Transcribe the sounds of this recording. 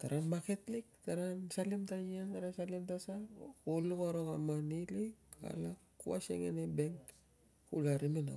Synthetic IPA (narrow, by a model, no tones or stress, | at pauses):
taɾanmaketlik̚taɾansalimtajiantaɾasalimtasakolukaɾoɣamanilika̰la | kṵa̰sḛŋḛnebeŋk | kulaɾimina̰